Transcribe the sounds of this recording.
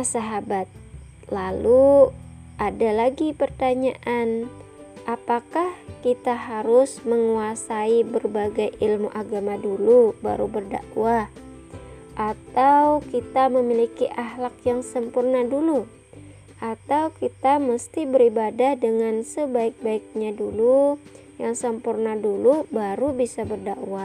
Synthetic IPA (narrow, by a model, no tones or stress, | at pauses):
asaɦabat̪̚ | lalu | ʔadalaɡipərt̪aɲaʔan | ʔapakahkit̪aɦaɾʊsməŋuasaibərbaɡajʔilmuʔaɡamaduluba̰ɾubərda̰ʔwa | ʔat̪awkit̪aməmilikiʔaɦlakjaŋsəmpurnadulu | ʔat̪awkit̪aməst̪ibəɾibadahdəŋansəbaɪk̚baɪk̚ɲadulu | jaŋsəmpurnadulubaɾubisabərdaʔwa